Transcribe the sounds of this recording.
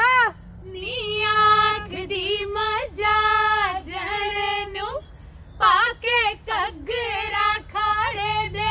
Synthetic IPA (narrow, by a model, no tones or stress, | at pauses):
a | nijakd̪iməd͡ʒad͡ʒəɽenũ | paːkek̪əɡɾakʰaɽed̪e